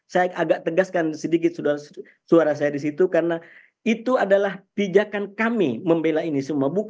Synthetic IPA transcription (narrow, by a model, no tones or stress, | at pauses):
sajaaɡaʔt̪əɡaskansədik̬ɪt̪̚sua | suaɾas̬ajadis̬it̪ukarəna | it̪uadalaht̪id͡ʒakankamiməmbelainisumabuk